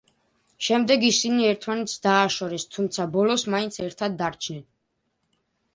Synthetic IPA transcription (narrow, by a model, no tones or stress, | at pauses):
ʃɛmd̪ɛɡisiniɛɾt̪ʰmanɛt̪sʰd̪aːʃɔɾɛst̪ʰumt̪sʰabɔlɔsmaint̪sʰɛɾt̪ʰad̪ːaɾt͡ʃʰnɛn